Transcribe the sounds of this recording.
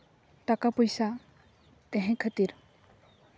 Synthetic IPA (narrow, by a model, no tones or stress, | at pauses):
ʈakapɔjsa | t̪ɛɦɛ̃kʰət̪iɾ